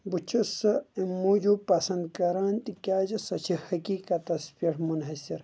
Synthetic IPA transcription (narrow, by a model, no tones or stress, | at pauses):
but͡ʃʰɐsɐmuːd͡ʒupɐsɐ̃nd̪kɐɾant̪ikʲaːd͡ʒɐsɐt͡ʃʰihɐkiːkɐt̪ɐspiʈʰmunɦɐsiɾ